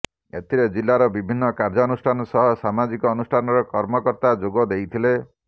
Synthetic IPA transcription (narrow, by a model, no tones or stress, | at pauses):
ḛt̪ʰiɾed͡ʒilːaɾɔbibʱinːɔkaɾd͡ʒɔːnusʈʰanɔsɔɦɔsamad͡ʒikɔːnusʈʰanɔɾɔkɔɾmɔkɔɾt̪ad͡ʒoɡɔd̪ejt̪ʰile